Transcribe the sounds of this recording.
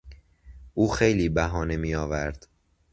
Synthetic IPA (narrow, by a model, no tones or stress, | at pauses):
ʔuːxe̞jliːbæɦɒːne̞miːɒːvæɾd̪̥